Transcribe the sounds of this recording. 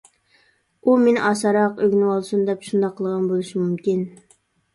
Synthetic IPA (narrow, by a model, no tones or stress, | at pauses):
umenʔɑsɑɾɑqøɡʲnɪwɑlˠsund̪ɛpʃund̪ɑqʰːəlˠəʁɑnbolˠɨʃimumkʲin